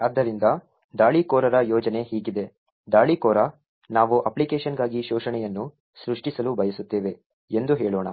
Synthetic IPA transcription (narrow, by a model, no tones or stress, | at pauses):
ɐd̪ːɐɾind̪ɐ | d̪aːɭikɔːɾɐɾɐjɔːd͡ʒɐne̞hiːɡid̪e̞ | d̪aːɭikɔːɾɐ | naːʋuʔɐplikeːʃɐnɡaːɡiʃɔːʂɐɳɛjɐnːu | sɾuʂʈisɐlubɐjɐsut̪ːeːʋe̞ | end̪uɦeːɭoːɳɐ̰